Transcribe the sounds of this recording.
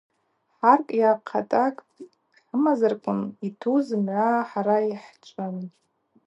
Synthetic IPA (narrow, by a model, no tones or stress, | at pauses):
ħarkʼjaqʰa̰tʼakʼ | ħəmazarkʷʼʊnitʰuzɨmʕʷaħaɾaiħt͡ʃʷʼʊn